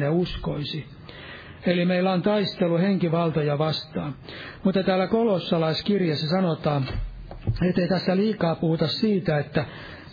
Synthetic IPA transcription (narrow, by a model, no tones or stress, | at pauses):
neuskoisi | elimeilːæont̪ɑist̪eluheŋkiʋɑlt̪ojɑʋɑst̪ɑːn | mut̪ːɑt̪æːlːˑækolosːɑlɑiskirjesːɑsɑnot̪ɑː | et̪ːeit̪æsːæliːkɑːpuhut̪ɑssiːt̪æet̪ːæ